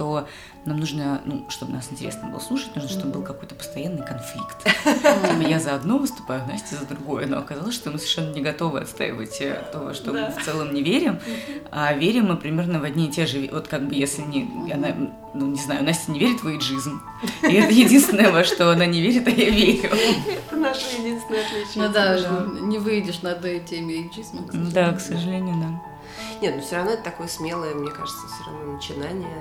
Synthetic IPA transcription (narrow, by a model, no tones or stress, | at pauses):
t̪o̞ | namnuʐnənṵʂt̪o̞bɨnasɪnʲtʲɪɾʲesnəbɨlˠə̰slˠuʂɨtʲnuʐnəʂt̪o̞bbɨlˠkɐko̞jt̪əpə̥st̪ɐjanːɨjkɐnflʲikt̪ | jazəɐd̪no̞vɨst̪ʊ̥pajʊvnasʲtʲɪzəd̪ɾʊɡo̞jə̰no̰ɐkɐzalˠəsʂt̪o̞mɨsəvʲɪrʂɛnːənʲɪɡɐt̪o̞vɨɐ̰t̪st̪a̰jɪ̰və̰tʲt̪ov̰ʂt̪omɨft̪sɛlˠəmnʲɪvʲeɾʲɪmavʲeɾʲɪmːɨpɾʲɪmʲe̞rnəvɐdʲnʲiɪtʲeʐɨvo̞t̪kaɡ̚bɨjesʲlʲɪnʲɪɐna | nunʲɪznajʊnasʲnʲɪvʲeɾʲɪt̪vɨjɪʐɨzʲm | ɪɛt̪əjɪdʲinst̪vʲɪnəjəvaʂt̪o̞ɐnanʲɪvʲeɾʲɪt̪ajavʲeɾʲʊɛt̪ənaʂəjɪdʲinst̪ʲɪnəjɐt̪lʲit͡ɕ̪d̪anʲɪvɨɪdʲɪʂnɐd̪ɐjtʲemʲɪʐɨzʲmd̪aksəʐɨlʲenʲɪjʊd̪a | nʲet̪nufsʲoɾɐvno̞ɛt̪ə̥t̪ɐko̞jəsmʲe̞lˠəjəmnʲeka̰ʐɨt̪səfsʲorɐ̰vnonət͡ɕɪnanʲɪjə